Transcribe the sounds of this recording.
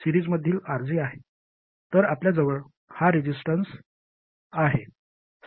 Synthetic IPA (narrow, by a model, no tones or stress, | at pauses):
siɾiːd͡zməd̪ʱːiːlaɾd͡ziːaɦe | t̪əɾapljad͡zəʋəɭ | haɾid͡ʑisʈəns | aɦe